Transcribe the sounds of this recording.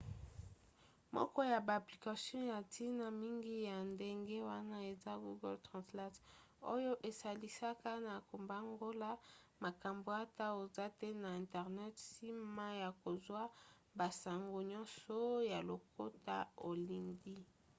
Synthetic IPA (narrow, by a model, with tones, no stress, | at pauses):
mɔ̰˦kɔ˦ja˨baː˨pli˨ka˨sjɔ̃˦ja˨tʰi˦na˨mi˦ŋɡi˦ja˨nde˦ŋɡe˦wa˦na˦e˨za˦ɡu˦ɡɔ˦ltʁã˨sla˦t | o˦jo˦ʔe˨sa˨li˦sa˦ka˦na˨ko˨mba˦ŋɡo˦la˦ | ma˨ka˨mbo˨a˦ta˦o˨za˦tɛ˦na˨ɛ̃˨ntɛ˨ʁnɛ˦tsi˦ma˦ja˨ko˨zwa˦ | ba˨sa˨ŋɡo˦ɲɔ̃˦nsɔ˦ja˨lo˨ko˦ta̰˦o˨li˨ndi˦